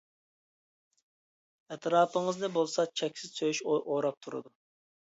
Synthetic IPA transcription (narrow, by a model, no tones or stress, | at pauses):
ɛt̪ʰɾɑːpʰəŋɨznɨbolˠsɑt͡ʃʰɛkʲsɪz̥søjyʃoʔoɾɑp̚t̪ʰuɾɨ̰d̪u